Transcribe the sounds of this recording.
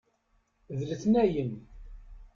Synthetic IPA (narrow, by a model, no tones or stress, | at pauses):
ðləθnæjən